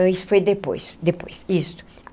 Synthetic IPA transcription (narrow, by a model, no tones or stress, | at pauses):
ɐsfojd̪epo̰jsd̪epo̰jsist̪ʊ̥